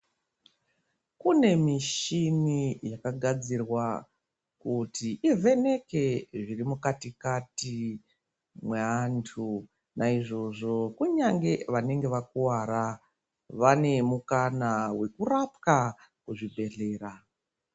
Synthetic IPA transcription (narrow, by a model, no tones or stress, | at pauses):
kune̞miʃinijakaɡʱad͡zirwa | kutiʔivʱe̞ne̞ke̞ʐirimukatikati | mwe̞antʰu | naiʐo̞ʐo̞kuɲaŋɡe̞ʋane̞ŋɡe̞ʋakuwaɾa | ʋane̞mukanawe̞kurapkakuʐibʱe̞ɮe̞ːra